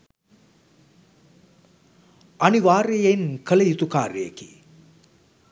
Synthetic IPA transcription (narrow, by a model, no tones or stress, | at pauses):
aniʋaːɾejenkələjit̪ukaːɾəjḛkḭ